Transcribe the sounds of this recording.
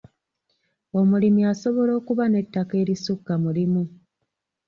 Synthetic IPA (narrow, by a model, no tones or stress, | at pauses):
o̞mulimiaso̞βo̞lo̞ːkuβane̞tːake̞ːɾisukːamulimu